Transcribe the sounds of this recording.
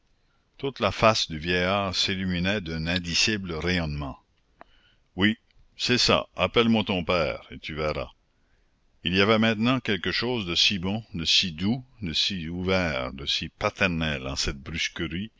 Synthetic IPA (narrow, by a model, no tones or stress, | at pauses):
t̪ut̪lafasd̪yvjɛjaːʁsilyminɛd̪ɛ̃nɛ̃d̪isibləʁejɔnmɑ̃ | wi | sɛsa̰apɛlmwat̪ɔ̃pɛːʁet̪yvɛːʁa̰ | iliavɛmɛ̃t̪nɑ̃kɛlkəʃoːzd̪əsibɔ̃d̪əsid̪ud̪əsiuvɛːʁd̪əsipat̪ɛʁnɛlɑ̰̃sɛt̪̚bɾyskəʁi